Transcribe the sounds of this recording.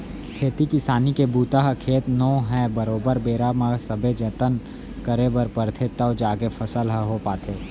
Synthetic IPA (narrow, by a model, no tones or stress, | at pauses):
kʰeːt̪ikisaːnikebuːt̪aɦkʰeːt̪nɔːɦɛ̃bəɾoːbəɾbeːɾamə̃səbʱed͡ʒɐt̪ən | kəɾebəɾpəɾt̪ʰet̪aod͡ʒaːɡefʰɐsəlɦəɦopaːt̪ʰeː